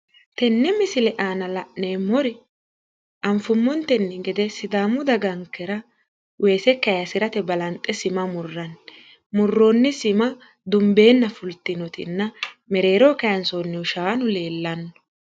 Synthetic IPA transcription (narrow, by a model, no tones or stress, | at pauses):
t̪ɛnːɛmɪsɪlɛʔaːnɐlɐʔneːmɔɾɪ | ʔɐmfʊmːɔnt̪ɛnːɪɡɛd̪ɛsɪd̪aːmːʊd̪ɐɡɐŋkːɛɾɐ | wʔe̞ːsɛkːɐjɐsɪɾɐt̪ɛbɐlɐnt̪ʼːɛsɪmɐmʊrːɐn | mʊrːoːnːɪsɪmɐ | d̪ʊmbe̞ːnːɐfʊlt̪ːɪnɔt̪ɪ̰nːɐmɛɾe̞ːɾoːkɐjɐnsoːnːɪʊʃaːɐnʊle̞ːlːɐnːɔ̥